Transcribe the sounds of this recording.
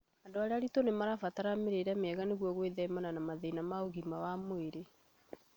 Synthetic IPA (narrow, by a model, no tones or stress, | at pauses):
andoaɾeaɾitonemaɾafataɾameɾeɾɛmɛɣaneɣwɔɣweðɛimananamaðɛinamaoɣimawamoeɾe